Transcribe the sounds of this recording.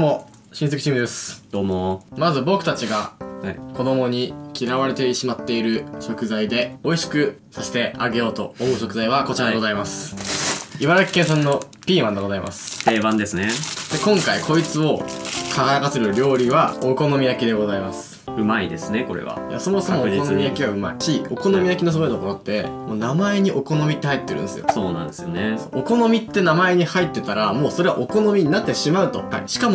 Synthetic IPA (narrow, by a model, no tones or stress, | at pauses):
mo | ɕĩns̬ekt͡ɕiːmɯ̟d̪e̞sɨ̥d̪̥oːmomazɨbo̞kɯ̟t̪at͡ɕiɡako̞d̪o̞mo̞ɲ̟ikʲiɾaβaɾe̞t̪e̞ɕimat̪ːe̞iɾɯ̟ɕo̞kɯ̟zaid̪e̞o̞iɕi̥kɯ̟saɕi̥t̪e̞ʔaɡe̞jo̞ːt̪o̞ːmoɯ̟ɕo̞kɯ̟zaiβako̞t͡ɕiɾadeɡozaimasɨ̥ | iβaɾaki̥kẽs̬ãnːo̞ | pʲiːmãnd̪e̞ɡ̞zaima̰sɨ̥t̪e̞ːbãnd̪e̞sɨned̪ekõ̞ŋkaikʰo̞it͡sɨo̞kʰaɡaɾakaseɾɯ̟ɾʲo̞ːɾʲiβaoko̞no̞mʲijakʲid̪e̞ɡo̞zaimasɨ̥ | ɯ̟maid̪e̞sɨneko̞ɾḛβa̰ja̰so̞mo̞so̞moonomʲijakʲiɡaɯ̟ma̰iɕio̞ko̞nomʲijakʲino̞s̬ooet̪okoɾot̪ːe̞moːnamae̞ɲ̟iʔo̞ko̞no̞mʲit̪ːe̞hait̪ːeɾɯ̟̃nd̪esɨjo̰soːnã̰nd̪esɨjonesooko̞no̞mʲit̪ːe̞namae̞ɲ̟ihait̪ːe̞t̪aɾamo̞ːso̞ɾe̞βaʔoko̞no̞mʲiɲ̟inat̪ːe̞ɕimaɯ̟t̪o̞̰a̰iɕi̥kamo